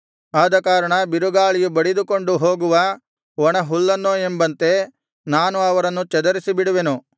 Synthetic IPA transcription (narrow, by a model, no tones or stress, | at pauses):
aːd̪ɐkaːɾɐɳɐbiɾuɡaːɭijubɐɽid̪uko̞ɳɖuɦo̞ːɡuʋɐ | ʋɔɳɐɦulːɐnːoːembɐnt̪e̞ | naːnuɐʋɐɾɐnːut͡ʃɛd̪ɐɾisibiɽuʋenu